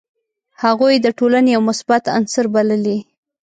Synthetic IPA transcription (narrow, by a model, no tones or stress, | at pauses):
haɣujd̪əʈolanejawmʊsbat̪a̰nsəɾbaləli